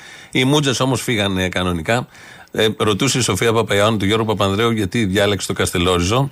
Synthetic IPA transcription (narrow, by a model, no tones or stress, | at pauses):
imud͡zeso̞mo̞sfiɣɐnkɐno̞nikɐ | ɾo̞t̪useiso̞fiɐpɐpɐionit̪uʝo̞ɾɣopɐp̬ɐnðɾeuʝɐt̪iðʝɐlekse̥t̪o̞kɐst̪e̞lo̞ɾizo̞